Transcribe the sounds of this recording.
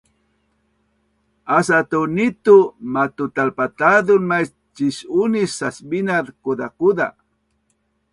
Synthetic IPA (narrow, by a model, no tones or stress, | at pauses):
asat̪unit̪umat̪ʊt̪alpat̪ad̪ʊnmas | t͡ʃiʃʊnisasbinad̪kud̪akud̪a̰